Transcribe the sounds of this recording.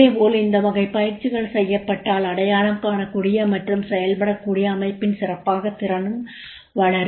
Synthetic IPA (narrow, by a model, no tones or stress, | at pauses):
eːpoːlɪnd̪ɐʋɐɣɐɪpːɐjɪɾt͡ʃːɪɣɐɭsɛjːɐpːɐʈːaːlɐɽɐjaːɭɐmkaːnɐkʊɽɪjɐmɐʈrɯmsɛjɐlpɐɽɐkːuːɽɪjɐːmɐɪpːɪnsɪrɐpːaːɣɐt̪ːɪɾɐnɯm | ʋɐɭɐɾ